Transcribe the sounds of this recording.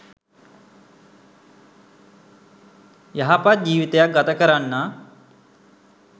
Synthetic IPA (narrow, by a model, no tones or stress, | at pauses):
jɐɦapat̪̚d͡ʒiːʋit̪ejak̚ɡɐt̪akəɾanːa